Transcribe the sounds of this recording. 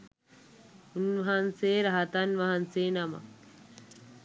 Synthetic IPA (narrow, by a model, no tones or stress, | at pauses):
unʋɐɦɐnseːɾɐɦɐt̪ɐnʋɐɦanseːnɐmɐ̰k